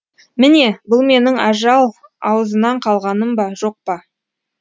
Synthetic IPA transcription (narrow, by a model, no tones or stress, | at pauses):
mɪne̞bʊlˠme̞nɪŋɑ̰ʒɑlˠɑ̰wəzənɑɴqʰɑlˠʁɑnəmbɑʒo̞q̚pɑ